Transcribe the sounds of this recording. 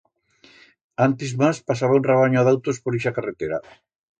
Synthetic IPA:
ant̪ɪzmaspasaβaunreβ̞aɲoaðawt̪ospoɾiʃakaret̪eɾa

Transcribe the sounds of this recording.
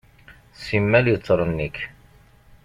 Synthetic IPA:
simːæljət͡sːɾˤənːikː

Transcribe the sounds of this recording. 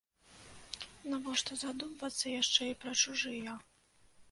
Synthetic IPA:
navɔʂt̪ɔzad̪umvɐt̪sːɐjaʂt͡ʂɛipɾɐt͡ʂuʐɨjɐ

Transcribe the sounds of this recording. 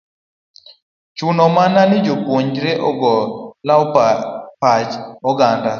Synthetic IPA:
t͡ʃʊnɔmananɪd͡ʒopwoɲd͡ʒɾeʔɔɡɔlawpat͡ʃɔɡanda

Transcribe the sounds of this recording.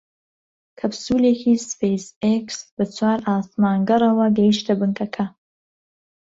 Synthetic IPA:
kʰɐbsuːleːkʰiːsfejseksbɨt͡sʰwaːɾaːsmaːŋɡɐrɐwɐɡɐjiʃt̪ʰɐbɨŋkʰɐkʰɐ

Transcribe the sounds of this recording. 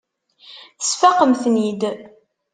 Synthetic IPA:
θə̥sfæqəmθnid̪

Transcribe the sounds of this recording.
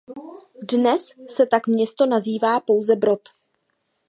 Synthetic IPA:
dnɛsːɛt̪akmɲɛst̪o̞naziːvaːpo̞wzɛbɾo̞t̪

